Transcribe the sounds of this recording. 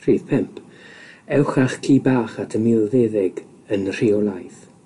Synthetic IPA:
riːðpʰɛmpʰ | ɛwχaχkʰiːbaːχatʰəmɪlˠðɛðɪɡ | ənr̥iɔlˠajθ

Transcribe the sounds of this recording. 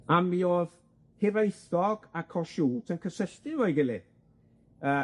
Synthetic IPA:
amioːð | hevaθɔɡ̥akʰɔʃuːtʰənkʰəsəɬtɪɔjɡɪlɪd̥ | əː

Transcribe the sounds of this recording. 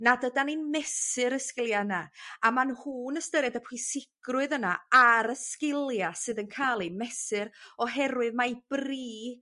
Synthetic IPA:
nadədaninmɛsɨɾəskɪlˠjanaamanhuːnəstəɾjadəpʰwɨsɪɡ̥rʊɨðənaaɾəskɪlˠjasɨðənkʰalˠimɛsɨɾɔɦɛɾwɨðmajb̥riː

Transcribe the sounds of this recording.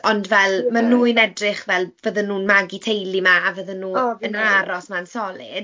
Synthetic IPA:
ɔndvɛlˠmanuːɨnɛdrɪχvɛlˠvəðənuːnmaɡitʰejlˠimaːvəðənuːənaɾɔsmansɔlˠɪ̰d̥

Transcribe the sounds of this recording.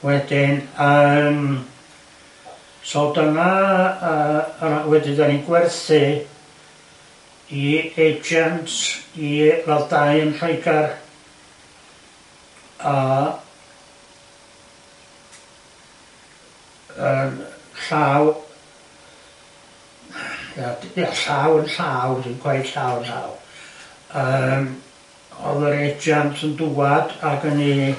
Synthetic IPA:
wɛdɪnəm | sɔlˠdənaəawɛdɪdaninɡwɛrθɨ | ied͡ʒantilalˠdajənr̥oɨɡar | a | ənɬaːw | jadaɬaːwənɬaːwdinkʰwɛɨd̥ɬaːwənɬa̰ːw | əːm | ɔ̰ðəɾed͡ʒjantʰənduːadaɡəni

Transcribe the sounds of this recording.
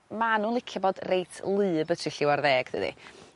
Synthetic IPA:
manuːlˠɪkʰjabɔdrejtʰlˠɨːbətʰrɪɬɪwarðeːɡ̥ð̥ɨ̰dḭ

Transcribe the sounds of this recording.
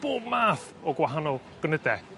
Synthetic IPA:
b̥oːbmaːθ | ɔɡwaɦanɔlˠ | ɡ̥ənədɛ

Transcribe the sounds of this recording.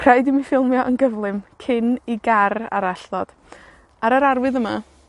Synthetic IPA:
kʰr̥ajdɪmifɪlˠmjɔʔənɡəvlˠɨmkʰɪniɡara̰ɾaɬðɔd̥ | aɾəɾarwɨðəma

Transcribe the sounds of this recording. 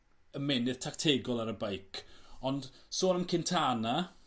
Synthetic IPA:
əmɛnɪð̥tʰaktʰeɡɔlˠaɾəbajkʰɔnd̥soːnəmkʰɪntʰaːna

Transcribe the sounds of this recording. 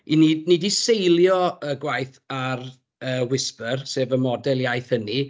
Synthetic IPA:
inidnɪdisejlˠjɔəɡwajθ | ar | əːwɪspərseːvəmɔdɛlˠjajθəni

